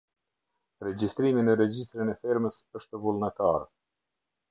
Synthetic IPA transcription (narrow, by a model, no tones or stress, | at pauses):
ɾɛd͡ʑist̪ɾiminəɾɛd͡ʑist̪ɾinɛfiɾməsəʃt̪əvulˠnɛt̪aɾ